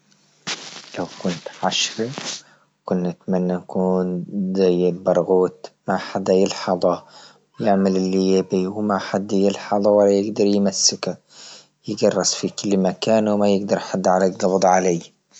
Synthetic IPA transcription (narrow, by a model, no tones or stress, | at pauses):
lawkʊnt̪ʕaʃɾi | kʊnːʔat̪manːanakuːnzajːɪlbɑɾˤɣuːt̪maħad̪ːajɪlħɑd̪ˤɑ | jɪʕmalɪlːijɪbiwmaħad̪ːjɪlħɑd̪ˤɑwalːajɪɡd̪ɑɾˤjmasːɪka | jɪɡɑrˤːɑsfikʊlːmakaːnwmajɪɡd̪ɑɾˤħad̪ːʕalaɡɑbd̪ˤʕalaj